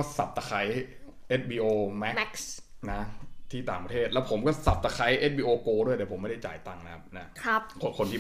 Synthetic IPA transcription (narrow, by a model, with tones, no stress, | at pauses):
ɔː˥˩sa˨˩p̚t̪a˧kʰa˦˥j | ʔe˦˥t̪̚biː˧ʔoː˧mɛ˦˥m˦˥ksna˦˥t̪ʰiː˥˩t̪aː˨˩ŋpɾa˧t̪ʰeː˥˩t̪lɛ˦˥wpʰo˩˦mkɔː˥˩sa˨˩p̚t̪a˧kʰa˦˥jʔe˦˥t̪̚biː˧ʔoː˧koː˧du˥˩əjt̪ːpʰo˩˦ma˥˩da˥˩t͡ɕa̰ː˨˩jt̪a˥˩ŋna˦˥kʰa˦˥p̚na˦˥kʰɾa˦˥p̚ko˧kʰo˧nt̪ʰiː˦˧